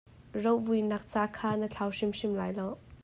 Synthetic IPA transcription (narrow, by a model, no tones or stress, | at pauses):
rowvujnɐk̚t͡saːkʰaːnət͡ɬʰawʂɪmʂɪmlaːjlow